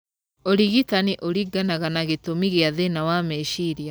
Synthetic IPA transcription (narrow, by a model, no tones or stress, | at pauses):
oɾiɣitaniʔoɾiɡanaɣanaɣetomiɣeaðenawamɛʃiɾia